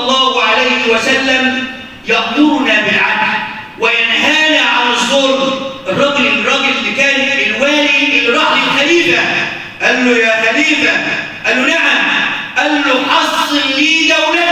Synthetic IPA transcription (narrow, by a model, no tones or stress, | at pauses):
lˤːɑːhʊʕalajhɪwæsalːam | jɑxd̪ʊɾnaːbɪlʕabl | wɪjanɦaːnaʕanɪzˤːoːɾʔɪrˤːɑɡlɪrˤːɑɡɪlɪlːikaːnɪt̪ʔɪlwaːliʔɪlɾˤɑħlɪlħabiːfa | ʔælːʊjaːħabiːfa | ʔalːʊnaʕamʔalːʊʔɑslɪlliːɡawna